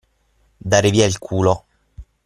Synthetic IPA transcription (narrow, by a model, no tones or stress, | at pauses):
d̪aːɾeviːailkʰuːlo